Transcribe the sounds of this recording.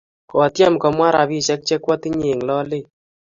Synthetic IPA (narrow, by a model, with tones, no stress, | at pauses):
ko˨tja˦mkɔ˨˧mwa˦ɾa˨bi˦t͡ʃɛ˦k̚t͡ʃe˦kwɔ˦ti˦ɲe˨ŋlɔ˦le˦˨